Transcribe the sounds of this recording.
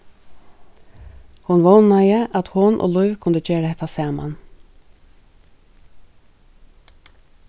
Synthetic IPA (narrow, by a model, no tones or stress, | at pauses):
hʊnʋɔwnajəʔat̪hʊnʔo̰ːlʊjvkʰʊnd̪əd͡ʒeːɾahɛt̪ːasɑːma̰n